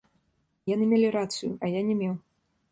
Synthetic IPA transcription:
janɨmʲelʲiɾat̪sɨjṵʔɐjanʲɛmʲew

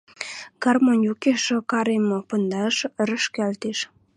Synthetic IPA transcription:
ɡ̥ɑrmonjukeʃə̆kɑɾemopə̆nd̪ɑʃəɾə̆ʃkælt̪eʃ

